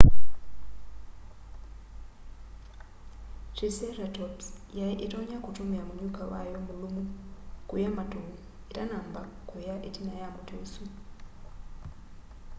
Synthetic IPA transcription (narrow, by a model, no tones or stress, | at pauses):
tiseɾatobs | jaʔetoɲakutumiamuɲukawa̰jomulumukujamato | etanaːmba | kujaʔetinajamutʰosu